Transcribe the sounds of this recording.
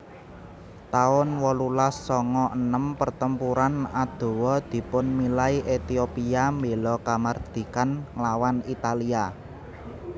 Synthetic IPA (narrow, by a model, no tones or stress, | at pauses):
t̪aʊnwɔlulasːɔŋɔʔənəmpərt̪əmpuɾanad̪̥o̤wɔd̪̥i̤pʊnmilaiʔet̪iopiambelɔkamard̪̥i̤kanŋlawanit̪alia